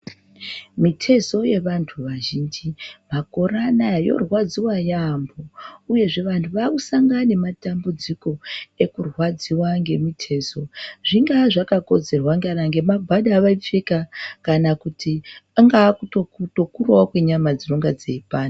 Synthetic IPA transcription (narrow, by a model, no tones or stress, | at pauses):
mitʰe̞so̞je̞ʋantʰuʋaʒiːnd͡ʒimako̞ɾanaajo̞̰rwad͡ziwajambo̞uje̞ʐe̞ʋantʰuʋakusaŋɡane̞matambud͡ziko̞e̞kurwad͡ziwaŋɡe̞mitʰe̞ːzo̞ʐ̥iŋɡaʐakako̞d͡ze̞rwaŋɡanaŋɡe̞maɡʱaɗaːʋaip͡fekakanakutiaŋɡaːkutoto̞kurwakwe̞ɲamad͡ziro̞ŋɡad͡ze̞ipaːna